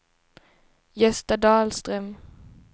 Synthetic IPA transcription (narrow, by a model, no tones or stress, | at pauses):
jɛst̪ɑd̪ɑːlst̪ʁœm